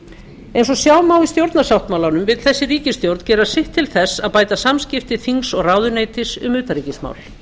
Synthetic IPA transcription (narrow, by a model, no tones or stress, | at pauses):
ejnsɔsjaːwmawist̪jowɾt̪nasawht̪mawlanʏmvɪðθɛsːɪriːcɪst̪jowɾt̪n̥cɛːɾasɪht̪ʰːɪlθɛsːaðpaːjt̪asamscɪft̪ɪθiŋksɔɣraːwðʏneːjt̪ɪsʏ̰mʏːt̪aɾiːcɪsma̰wl